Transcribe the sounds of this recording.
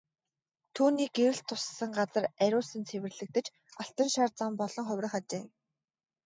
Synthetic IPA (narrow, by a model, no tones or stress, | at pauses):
t̪ʰuːniːɡewɘ̆ɬt̪ʰːʊsːə̆ŋɢat͡sə̆ræɾʲʊːsə̆nt͡sʰewɘ̆rɮɘ̆k̚t̪ɘ̆t͡ɕ | aɬt̪ə̆nʃaːrt͡săːmpɔɮ̥ɞ̆ŋχœwʲɾə̆χat͡ɕeː